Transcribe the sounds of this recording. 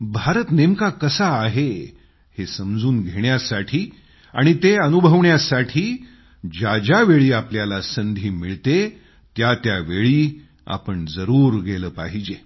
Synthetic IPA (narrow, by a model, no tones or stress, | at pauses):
bʱaɾət̪nemkakəsaːɦe | hesəmd͡zuːnɡʱeɳjasaʈʰiː | aɽ̃it̪eənubʱəʋɳjasaʈʰiː | d͡ʑad͡ʑaʋeɭiːapljalasənd̪ʱiːmiɭt̪e | t̪jat̪jaʋeɭiː | a̰pəɳd͡zəɾuːɾɡʱeləːpaɦid͡ʑe